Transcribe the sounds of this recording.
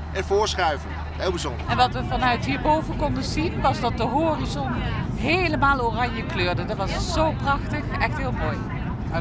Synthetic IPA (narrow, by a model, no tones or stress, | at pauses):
ʔɛnvʊːɹsχɛɥvə | ɦɪːlˠbizɔndɹəɛnʋɑtʋəvɑnœɥtɦiːɹbowvənkɔndəzinʋɑzdɑt̚dəɦoːrizonɦejləmaːlˠoːrɑɲjəkløːɹdədɑtʋɑsz̥owprɑxtəχɛxtɦɪːlˠmoːj